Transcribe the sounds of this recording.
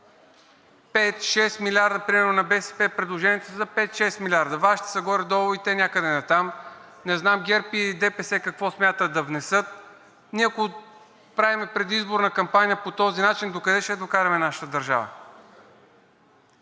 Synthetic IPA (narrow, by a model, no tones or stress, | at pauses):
pɛt̪ʃɛst̪milʲaɾd̪əpɾimɛɾnonɐbɛsɛ̥pɛpɾɛd̪lˠoʒɛniɛt̪ozɐpɛt̪ʃɛst̪milʲaɾd̪ɐvaʃi̥t̪i̥sɐɡɔɾʲɛd̪ɔlˠvoit̪ɛnʲakəd̪ɛnɐt̪amnɛznamɡɛɾpiid̪ɛpɛsɛkɐkvɔsmʲjat̪əd̪ɐvnɛsɤt̪̚ | niɛɐko | pɾavimɛpɾɛd̪izboɾnɐkɐmpanʲijəpot̪ɔzinat͡ʃind̪okɐd̪ɛʃt̪ɛd̪okaɾʲɐmɛnaʃə̥t̪əd̪ɐɾʒa̰və̰